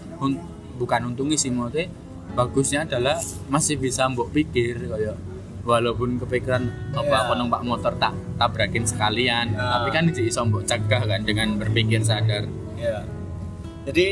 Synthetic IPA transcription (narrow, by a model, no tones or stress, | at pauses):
hun | bukanhunt̪uŋisimɔt̪e | b̥aɡ̥ʊ̤sɲaːd̥a̤lahmasɪhb̥isambɔʔpikɪrkɔjɔʔ | walopʊnkəpikiɾanɔbaakɔnəŋpaʔmɔt̪ɔrt̪aʔt̪abɾakɪnsə̥kaliant̪apikanid̪iisɔmbɔʔt͡ʃəɡ̥ahkandəŋanbərpikɪrs̬adar | d͡ʒadi